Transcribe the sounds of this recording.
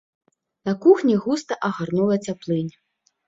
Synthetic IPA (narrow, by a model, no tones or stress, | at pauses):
nɐkuxnʲiɣust̪ɐʔɐɣarnulˠɐt͡sʲaplˠɨnʲ